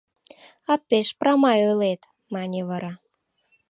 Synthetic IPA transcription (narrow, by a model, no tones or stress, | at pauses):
ɑpːeʃprɑmɑjɤlet̪ | mɑnʲeβɑɾɑ